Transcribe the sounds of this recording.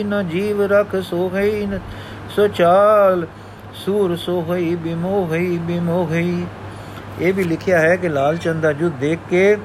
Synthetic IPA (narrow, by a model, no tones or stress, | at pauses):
naːd͡ʒiːʋɾəkʰsoːɦiː | soːt͡ʃaːl | suːɾsoːɦoiːbɪmoːɦəiːbɪmoːɦəiː | eːbʱiːlɪkʰɪjaːɦɛːkɪlaːlt͡ʃə̃nd̪aːd͡ʒʊd̪eːkʰːeː